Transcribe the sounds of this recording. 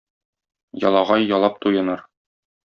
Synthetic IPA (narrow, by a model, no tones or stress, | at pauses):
jɒ̰lˠɑʁɑjːɒlˠɑp̚t̪ujɤ̆nɑɾ